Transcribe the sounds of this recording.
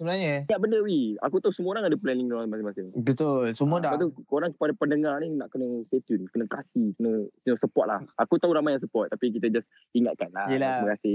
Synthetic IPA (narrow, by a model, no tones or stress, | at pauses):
səbnaɲəiaʔbəndəwia̰kut̪ausəmuoɾaŋadəplɛniŋoɾaŋmasɪmasɪmbət̪olsəmuədapat̪uoɾaŋkə̥padapəndəŋarninaʔkənəst̪et̪junkənəkasikənəsənəsəpɔt̪̚la̰hakut̪aɦuɾamajaŋs̬əpɔt̪̚ːapik̬it̪ad͡ʒas | iŋat̪̚kanlaiməkasɪ